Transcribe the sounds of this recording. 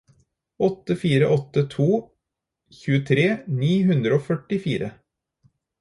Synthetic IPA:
ɔt̪ːəfiːɾəʔɔt̪ːət̪ʰuː | çʉːət̪ʰɾeːniːɦʉnd̪ɾəoːfœʈɪfiːɾə

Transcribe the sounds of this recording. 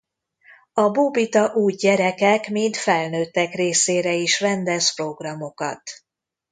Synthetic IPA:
ɒbubit̪ɒʔuːjɟɛɾɛkɛkmint̪fɛlnøːt̪ːɛkreːseːɾɛiʃvɛnd̪ɛspro̞ɡrɒmo̞kɒ̰t̪

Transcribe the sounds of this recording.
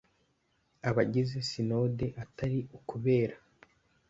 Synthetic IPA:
aβaɟize̞sino̞de̞ʔataɾiukuβe̞ːɾa

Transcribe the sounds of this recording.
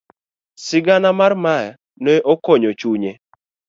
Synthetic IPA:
sɪɡanamarmaj | nɛʔɔkɔɲot͡ʃuɲe

